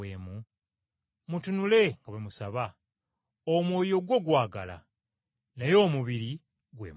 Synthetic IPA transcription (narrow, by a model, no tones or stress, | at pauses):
eːmu | mutunule̞ŋɡaβwemusaβa | omwoːjo̞ɡwo̞ɡwaːɡala̰ | najo̞ːmuβiɾi | ɡwḛːm